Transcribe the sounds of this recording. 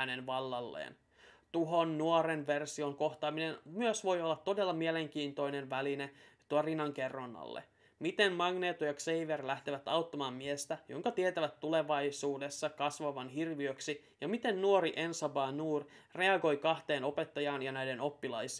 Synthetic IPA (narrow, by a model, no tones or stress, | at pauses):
ænenʋɑlːɑlːḛːn | t̪uɦo̞nːuoɾenʋersio̞ŋko̞ht̪ɑːminenmyøsʋo̞jolːɑt̪ːo̞de̞lːɑmiele̞ŋk̟iːnt̪o̞ine̞nʋælinet̪uorinːɑŋke̞rːonːɑ̰lːḛ | mit̪emmɑɡne̞ːt̪ːojɑksejʋerlæht̪eʋæt̪ɑwt̪ːɑmɑːmmiest̪æjo̰ŋkɑt̪iet̪æʋæt̪ːule̞ʋɑjsuːde̞sːɑkɑsʋɑʋɑnɦirʋiøksi | jɑmit̪e̞nːuoɾiʔensɑbɑːnuːrre̞ɑɡo̞jkɑht̪e̞ːno̞pe̞t̪ːɑjɑːnjɑnæjde̞no̞pːilɑjsi